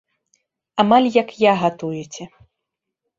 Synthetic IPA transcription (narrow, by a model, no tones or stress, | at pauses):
amalʲjɐkjaɣat̪ujɛt͡sʲɛ